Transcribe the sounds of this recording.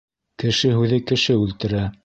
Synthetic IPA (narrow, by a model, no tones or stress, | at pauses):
kɘ̆ʃɘɦʉðɘkɘ̆ʃɘʉlt̪ɘ̆ɾæ